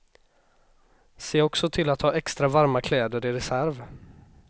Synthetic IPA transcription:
seːɔksɔt̪ʰɪlat̪hɑːɛkst̪ɾavaɾmakʰlɛːd̪əɾɪɾɛsæɾv

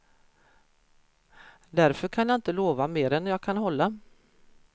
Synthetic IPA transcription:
d̪æɾfœɾkʰanjɑaːɪnt̪əloːvameːɾɛnːjɑːɡkʰanɦɔlːa

